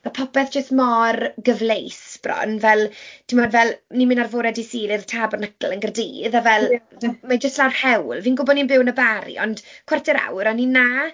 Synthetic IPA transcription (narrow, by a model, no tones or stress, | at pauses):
napʰɔpɛθd͡ʒ̥əstmɔrɡəvlejsb̥rɔ̰nvɛlˠtʰimɔdvɛlˠnimɪnarvoɾɛdisiːɾɪrtʰaːbɔrnəkʰlˠənɡərdiːðavɛlmad͡ʒəstlarhɛwlˠviːnɡʊbɔdninbɪwnəbaɾḭɔnd̥kʰwɛrtʰɛɾa̰wɾanina